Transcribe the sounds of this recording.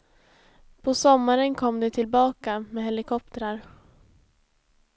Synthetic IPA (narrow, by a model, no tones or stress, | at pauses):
pʰɔsɔmːaɾənkʰɔmːd̪ɛt̪ʰɪlbɑːkamɛːɦɛlɪkʰɔp̚t̪əɾaɾ